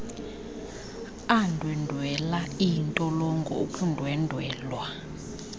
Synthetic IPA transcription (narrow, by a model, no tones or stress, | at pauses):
andʱwɛndʱwɛlaintʼɔlɔŋɡʱɔ̰okʰʼundʱwɛndʱwɛːlwa